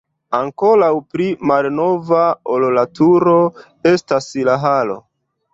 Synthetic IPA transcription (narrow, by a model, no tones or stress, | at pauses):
aŋko̞lawpɾimalno̞vaololatuɾo̞ | e̞staslaɦalo̞̰